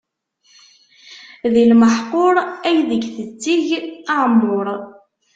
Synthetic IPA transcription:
ðilməħqʊɾˤæjðəɡθət͡sːiʝəʕmːʊɾˤ

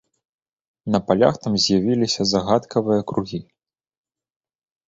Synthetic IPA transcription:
nɐpalʲa̰xt̪amzʲjavʲilʲisʲɐzaɣat̪kʰɐvɨjɐkɾuɣʲi

